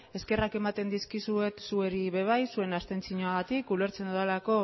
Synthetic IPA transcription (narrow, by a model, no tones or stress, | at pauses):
e̞ske̞rake̞mat̪e̞nd̪iskisue̞t̪sueɾiβe̞β̞ajsue̞nast̪e̞nt͡siɲoaɣat̪ikule̞ɾt͡se̞nd̪uðelako̞